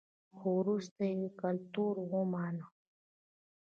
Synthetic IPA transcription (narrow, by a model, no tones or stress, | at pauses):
huɾust̪ejikɐlt̪uːɾwũmaːna